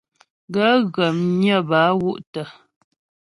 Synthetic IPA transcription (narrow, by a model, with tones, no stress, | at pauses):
ɡə˨˦ɣə˨mɲə˦˨ba˨˦wu˦ʔtə˨